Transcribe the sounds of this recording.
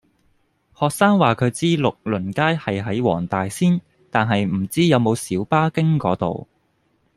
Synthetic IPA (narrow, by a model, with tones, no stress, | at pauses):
hɔː˨k̚saː˥ŋwaː˨kʰɵ˨˧ɥt͡siː˥lʊ˨k̚lɵ˨˩nkaː˥jhɐ˨jɦɐ˨˥jwɔ̰ː˨˩ŋt̪aː˨jsiː˥n | t̪aː˨nɦɐ˨jm̩˨˩t͡siː˥jɐ˨˧wmo˨˧wsiː˨˥wpaː˥kɪ˥ŋkɔː˨˧˥t̪o̰˨w